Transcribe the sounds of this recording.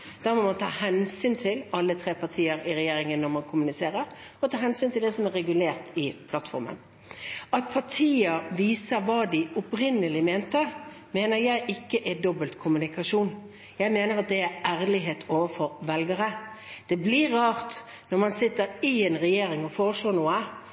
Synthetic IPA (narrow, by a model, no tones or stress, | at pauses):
d̪̥ɑːmɔmɑnt̪ʰɑ̰ːhɛnsyːnt̪ʰɪlɑlːət̪ʰɾeːpʰɑʁt̪ʰiːəɾɪɾɛjeːɾɪŋənːɔɾmɑnkʰʊmʉnɪseːɾəɾ | ɔt̪ʰɑːɦɛnsyːnt̪ʰɪld̪ɛsɔmɛɾɛɡʉleːʁt̪ɪpʰlɑt̪fɔ̰ɾmə̰n | ɑt̪̚pʰɑʈʰiːəɾʋiːsəɾʋɑːd̪ɪʊpɾɪnːəlɪmeːnt̪əɾ | meːnəɾjæɪʔɪkːəʔæd̪ɔbəlt̪kʰʊmʉnɪkɑʂuːn | jæɪmeːnəɾɑt̪̚d̪ɛæɾæːɾlɪɦeːt̪ʰoːʋəfɔɾʋɛlɡəɾə | d̪̥ɛblɪːɑːʁt̪ | nɔɾmɑnsɪt̪ːəɾɪɛnʁɛjeːɾɪŋɔfoːɾəʂlɔːnuːə